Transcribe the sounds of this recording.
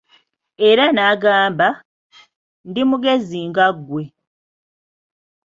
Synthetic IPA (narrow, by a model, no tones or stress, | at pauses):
e̞ɾanaːɡaːmba | ndimuɡe̞ziːŋɡaɡwe̞